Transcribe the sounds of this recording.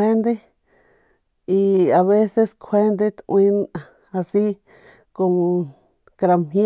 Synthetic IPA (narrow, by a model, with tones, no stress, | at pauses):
e˦nd̪e˦ | i˧a˨βe˦se˧skʰe˦nd̪e˦˧t̪ĩ˧n | a˧si˦ | ko˧ | kɾa˧m̥ĩ˦